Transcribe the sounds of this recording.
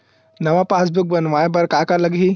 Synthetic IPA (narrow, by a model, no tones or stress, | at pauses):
nɐʋãpaːs̬buk̚bɐnʋãjbɐɾkakalɐɡɦi